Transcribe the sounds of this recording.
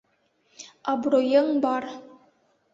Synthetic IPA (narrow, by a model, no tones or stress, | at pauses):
ɑbɾojəŋbɑr